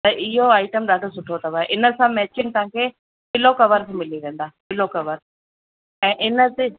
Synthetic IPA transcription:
t̪ɐʔɪɦoaːɪʈəmɗaːd̪ʱosʊʈʰot̪ɐʋaːɦɛʔɪnə̆sãmɛːt͡ɕɪnt̪ɐɦãkʰeː | pɪlokɐʋəɾt̪mɪliʋẽːn̆d̪aːpɪlokɐʋəɾ | ɛ̃ːʔɪnə̆t̪e

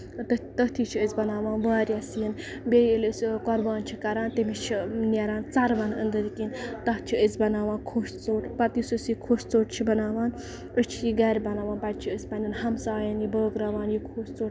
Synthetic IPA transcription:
t̪t̪əɦt̪ʰit͡ʃʰiəzʲbɐnaːʋaːnʋaːɾʲjasiin | bʲejəlʲəsʲkɔɾbaːnt͡ʃʰikɐɾaːnt̪emit͡ʃʰinʲɛɾaːnt͡sɐɾʋɐnə̰nd̪ɨd̪ikint̪ɐɦt͡ʃʰiəzʲbɐnaːʋaːnkʰoːst͡soːʈpɐt̪jisɨsjikʰoːst͡soːʈt͡ʃʰibɐnaːʋaːn | ət͡ʃʰijiɡɐɾʲbɐnaːʋaːnpɐʈ̪̚ʲt͡ʃʰiəsʲpɐnʲɐnhɐmsaːjɐnjibəːɡɾɐʋaːnjikʰoːst͡soːʈ

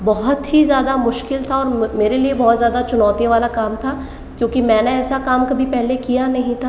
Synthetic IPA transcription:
bɔɦʊt̪ɦizjaːd̪amʊʃkɪlt̪ʰaɔːɾmeːɾeliebɔːt̪zjaːd̪at͡ʃʊnɔːt̪iʋaːlakaːmt̪ʰaː | kjõːkimɛ̃ːneɛːsakaːmkɐbʱipɛɦlekijanɐɦĩt̪ʰaː

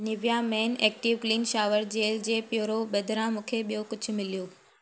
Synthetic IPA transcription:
nɪʋijamɛːnɛːk̚ʈiːʋkliːnʃaːʋəɾd͡ʑeːld͡ʑeːpjoːɾoɓɐd̪ʱɾãmũːkʰeɓijokʊd͡ʑʱʊ̆mɪlijoː

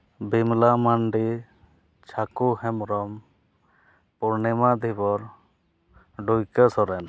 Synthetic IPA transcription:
bimlamaɳɖi | t͡ʃʰakuhɛmɾɔm | puɾnɛmad̪ʱibɔɾ | ɖujkəsɔɾɛn

